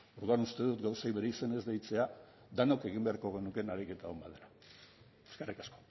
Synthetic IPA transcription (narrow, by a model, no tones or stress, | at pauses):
oɾðuanust̪e̞ðut̪ɡawsajβe̞ɾeisene̞zd̪ejt͡se̞a | d̪ano̞ke̞ɣ̞imbe̞aɾko̞ɣ̞e̞nuke̞naɾike̞t̪aombaðeɾa | eskarikasko̞̥